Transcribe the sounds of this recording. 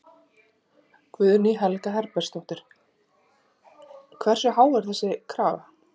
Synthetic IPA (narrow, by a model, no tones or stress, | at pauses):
kʰvʏðniɦɛlkaɦɛɾpɛ̥st̪owht̪ɪɾ̥ | kʰvɛr̥sʏɦaːwɛɾ̥θɛsːɪkʰɾaːva